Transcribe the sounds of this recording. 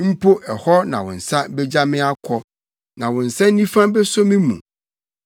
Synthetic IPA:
m̩˦pʰo˦ʔɛ˨hɔ˦nã˨wɔ̰̃˨n̩˨sa˦bɛ˦d͡ʑa˦mɪ̃˦a˦kʰɔ˦ | nã˨wɔ̃˨n̩˨sã˦n˦nĩ˦fã˦bɛ˦sõ˦mɪ̃˦mṵ̃˨

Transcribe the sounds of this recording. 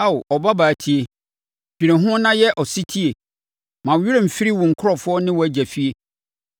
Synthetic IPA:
a˦˨ʔɔ˨ba˦baː˨tʰi˦e˨ | b̥i˨ɾẽ˨ɦʊ̃˦nã˦jɛ˦ʔɔ˨si˦tʰi˦e˨ | mã˨ɥi˦ɾe˨m̩˨fi˦ɾi˦wʊ̃˨ŋ̩˨kʰʊ˦ɾɔ˨fʊ˦ɔ˦nɪ̃˦wɔ˨æ˦d͡ʑæ˨fi˦e˦

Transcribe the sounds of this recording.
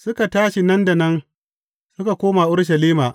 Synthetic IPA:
sʊ˦ka˨taː˦ʃi˨nɐ˦nda˨nɐ˦n | sʊ˦ka˨kʷoː˦ma˨ʔʊ˦ɽʃ̬ɐ˨liː˦maː˨ʔ

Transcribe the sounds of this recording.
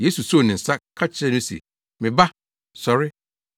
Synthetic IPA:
je˦su˨so˦˨nɪ̃˨n̩˨sa˦kʰa˦t͡ɕʰɪ˦ɾɛ˦nʊ̃˦sɛ̰˨ | mɪ̃˨ba˦ | sɔ˨ɾɪ˦

